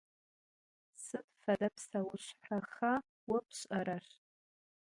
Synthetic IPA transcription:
sɨtʰʼfadapʰsawʊʂʷħaχa | wapʰɕʷʼaɾar

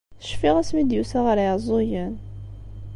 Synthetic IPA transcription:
θə̥ʃfiʁæsmid̪jusæʁəɾjəzˤojən

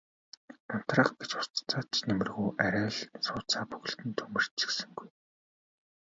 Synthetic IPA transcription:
an̥t̪rə̆χɡet͡ɕʊ̥st̪t͡saːt͡ɕnemɘ̆rɣuːʔæɾʲæːɮsʊːt͡saːpɵɣɵ̆ɬt̪ɘ̆nt̪ʰɵmɘ̆r̥t͡ɕĭ̥ksɘ̆ŋɡuj

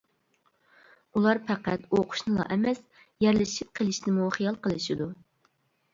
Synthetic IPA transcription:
ulˠɑɾpʰæqæt̪oqʰʊ̥ʃnɨlˠɑ̰ʔɛmɛs | jɛɾlɪʃip̚qʰəlˠɪʃnɪmuχəjɑlˠqəlˠɨʃid̪u

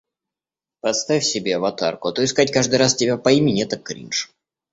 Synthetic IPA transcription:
pɐt̪st̪afʲfʲsʲɪbʲevɐt̪a̰rkʊɐt̪oɪskatʲkaʐd̪ɨjɾastʲɪbʲapɐimʲɪnʲet̪ɐkːɾʲḭnʂ

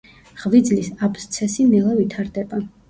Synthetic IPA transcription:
ʁvid̪zlisapʰst̪sʰɛsinɛlˠavit̪ʰaɾd̪ɛba

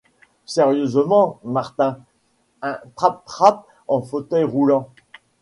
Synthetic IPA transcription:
sɛʁjøzmɑ̃maʁt̪ɛ̃ | ɛ̃t̪χap̚t̪χap̚ | ɑ̃fot̪œjʁulɑ̃

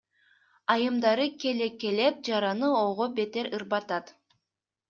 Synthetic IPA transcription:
ɑjɯmd̪ɑɾɯkʲe̞leke̞le̞p̚d͡ʒɑɾɑnɯoʁobe̞t̪eɾɯɾbɑt̪ɑt̪

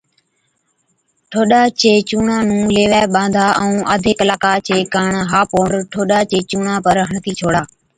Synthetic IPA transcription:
ʈʰoːɗaːt͡ʃeːt͡ʃuːɳãːnũːleːʋaːɓãːnd̪ʱaːʔɛ̃ũːʔəd̪ʱɪklaːkaːt͡ʃʰeːkaːɳɦaːpõːɳɖʈʰoːɗaːt͡ʃeːt͡ʃuːɳãːpəɾɦəɳt̪ʰiːt͡ʃʰoːɽaː

